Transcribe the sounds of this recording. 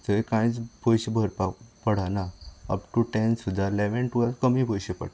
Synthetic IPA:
d͡zəikãjt͡sbojɕebʱəɾpapəɽ̤anaə̰pʈuʈensud̪ʱːalɛʋenʈuakəmibʱojɕepə̰ɽa

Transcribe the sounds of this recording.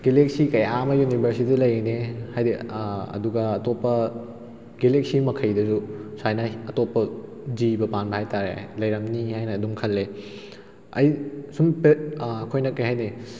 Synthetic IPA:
ɡelek̚sikɐjamɐjunibʱɐɾsidilɐjenehajdeɐ̰duɡɐːtopːɐ | ɡelek̚simɐkʰɐjdɐsusajnɐɐtopːɐzibɐpanbɐhajtaɾḛlɐjɾɐmnihajnɐːduŋkʰɐlːe | ɐ̰jsumpet̚ɐkʰojnɐkːeɦajne

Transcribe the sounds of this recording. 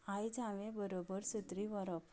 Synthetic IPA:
ajd͡zãʋẽbəɾobəɾsət̪ɾiʋəɾəp

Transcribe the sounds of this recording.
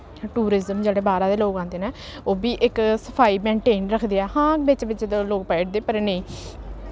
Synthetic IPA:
ʈuːɾɪzəmd͡ʒeːɽeːbaːɾãːd̪eːloːkãːnd̪eːneːoːbiːʔɪksəpʰaːiːmẽːɳʈeːnɾəkʰd̪eːɛːhãːkbɪt͡ʃbɪt͡ʃ̪loːk̚pɛːɪʈ̚d̪eːpəɾnəĩː

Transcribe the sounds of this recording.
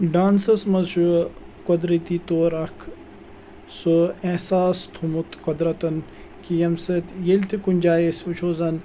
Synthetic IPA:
ɖaːnsɐsmɐzʃukod̪ɾit̪it̪oːɾɐkʰ | suesaːst̪ʰumut̪kod̪ɾɐt̪ɐn | kijɐmset̪jelt̪ʰikunʲd͡ʒaːjesʋɐt͡ʃʰoːzɐn

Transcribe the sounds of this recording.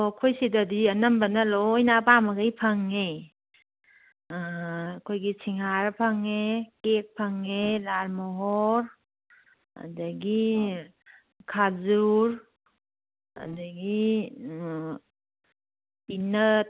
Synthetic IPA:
okʰojsidadiɐnɐmbənɐlojnapaməɡajpʰaŋːe | kʰojɡisʰiŋɦaɾapʰaŋːekek̚pʰaŋːelalmoɦɔɾ | a̰dɐɡi | kʰazuɾ | a̰dɐɡi | pinət̚

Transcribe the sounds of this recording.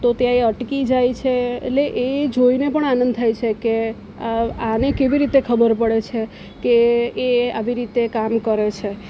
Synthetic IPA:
t̪ot̪jãeəʈkid͡ʒajt͡ʃʰeḛʈleʔed͡ʒoinepəɳanə̃nd̪̚t̪ʰajt͡ʃʰeke | anekeʋiɾit̪ekʰəbəɾpəɽet͡ʃʰe | keː | a̰ʋiɾit̪ekamkəɾet͡ʃʰe

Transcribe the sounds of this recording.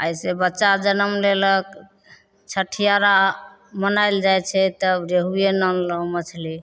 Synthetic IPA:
əjsebətːʃad͡ʒənəmlelək | t͡ʃʰəʈʰijaɾa | mənaɪld͡ʒajt͡ʃʰɛt̪əbɾeɦujenənləmət͡ʃʰli

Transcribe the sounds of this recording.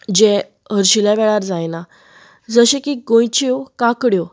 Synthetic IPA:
d͡ʑɛ̃ | ɦəɾɕiljaʋɛɭaɾd͡zajna | d͡zəɕekiɡõjt͡ɕiokãkɽjo

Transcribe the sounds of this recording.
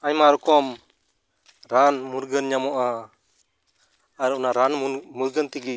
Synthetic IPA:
aɲmaɾɔkɔm | ɾanmuɾɡənɲamɔʔa | aɾɔnaɾanmuɾɡənt̪iɡi

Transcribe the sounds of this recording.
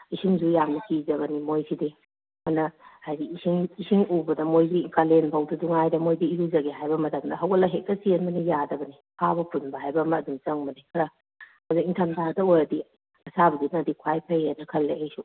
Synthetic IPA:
isimzujamnɐkʰizɐβɐnimojsʰidi | mɐnɐhajziisiŋisiŋubɐdɐmojdiiŋkalenpʰawduduŋajdɐmojdiiɾuzɐɡiɦajbɐmɐtʰɐmdɐɦɐwɐlaɦek̚dɐsienbɐnijadɐbɐni | kʰabɐpʰunbɐɦajbɐmɐdumt͡ʃɐŋbɐnikʰɐɾɐ | ɐzɐŋiŋtʰantʰadɐojɾɐdi | ɐsabɐɡinːdikʰwajpʰɐjenɐkʰɐlːeejsu

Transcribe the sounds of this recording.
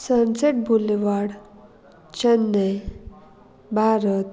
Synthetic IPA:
sənseʈ̚bʱulːeʋaɽ | t͡ɕənːəj | bʱaɾət̪

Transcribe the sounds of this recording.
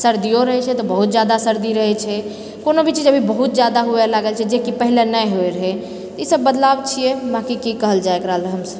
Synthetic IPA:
səɾd̪ijoɾəɦɛt͡ʃʰɛt̪ɔbəɦut̪̚d͡ʒjad̪asəɾd̪iɾəɦɛt͡ʃʰɛ | konobʱit͡ʃid͡ʒəbʱibəɦut̪̚d͡ʒjad̪aɦuelaɡəlt͡ʃʰɛd͡ʒekipəɦilenəjɦoeɾəɦɛ | t̪ɔisəbːəd̪labt͡ʃʰijɛbãkikikəɦəld͡ʒaekɾəɦələɦəmsəb

